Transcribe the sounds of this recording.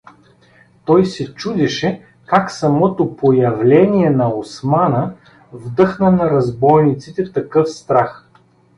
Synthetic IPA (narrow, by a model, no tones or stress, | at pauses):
t̪ɔjsɛt͡ʃud̪ɛʃɛ | kaksɐmɔt̪opojɐvlɛniɛnɐosmanə | vd̪ɤxnənɐɾɐzbɔjnit̪sit̪ɛt̪ɐkɤfst̪ɾax